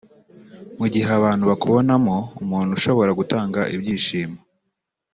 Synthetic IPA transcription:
muɟiheaβaːn̥huβakuβonamoumuːn̤̥uʃo̞βo̞ɾaɡutaːŋɡaʔibɟiːʃiːmo

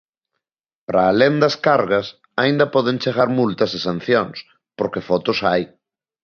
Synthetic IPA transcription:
pɾaːlend̪ɐskaɾɣɐs | aĩnd̪ɐpɔðeŋt͡ʃeɣaɾmult̪ɐsesan̟θjoŋs | poɾkefɔt̪osaj

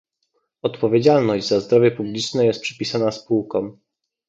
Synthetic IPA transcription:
ɔt̪pɔvʲed͡ʑalnɔʑd͡ʑzazd̪ɾɔvʲjɛpublʲit͡ʂnɛjɛst̪̚pʂɛ̥pʲisanaspuwkɔm

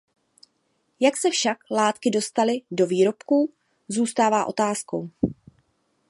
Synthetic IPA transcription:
jaksɛfʃaklaːt̪kɪdo̞st̪alɪdo̞viːɾo̞pku | zuːst̪aːvaːʔo̞t̪aːsko̞̰w

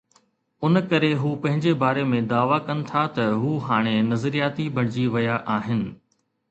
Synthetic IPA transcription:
ʊnkɐɾeɦuːpɐ̃ɦɪ̃ɲd͡ʑebaːɾemẽd̪aːʋakɐnɪ̆t̪ʰat̪ɐɦuːɦaːɽ̃enɐzɾijaːt̪ibʱɐɽ̤̃ɪd͡ʑiʋɐjaʔaːɦɪnɪ̆

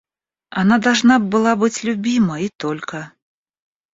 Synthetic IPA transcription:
anad̪alʐnab̚bɨlˠabɨt͡sʲlʲubʲimɐit̪ɔlʲkɐ

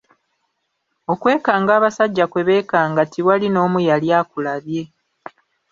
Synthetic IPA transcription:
o̞kwe̞ːkaːŋɡaːβasaɟːakwe̞βe̞ːkaːŋɡatʰiwalino̞ːmujaljaːkulaβje̞

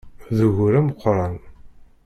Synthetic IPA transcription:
ðuɣʊɾæmqʰʷɾˤɑn

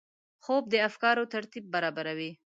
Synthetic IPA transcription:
xob̚d̪əafkɑɾot̪aɾt̪ib̚ːaɾɑbaɾawi

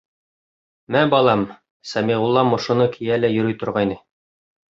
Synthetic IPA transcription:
mæbɑlˠɑm | sɑmiʁulˠːɑmŏʃŏnɤkʰijælæjɵ̆ɾɵ̆jt̪ŏɾʁɑjnɤ

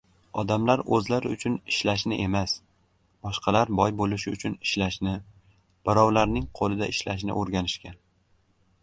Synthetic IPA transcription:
ɒd̪amlaɾɵzlaɾɪʊt͡ʃʰʊnɪʃlaʃ̬nɪʔe̞mas | b̥ɒʃqɑlaɾbɒjbolɪʃɪʊt͡ʃʰʊnɪ̥ʃlaʃnɪ | b̥ɪɾɒwlaɾnɪŋqʰolˠɪd̪aɪʃlaʃ̬nɪ̰ʔoɾɡʲanɪʃkʲan

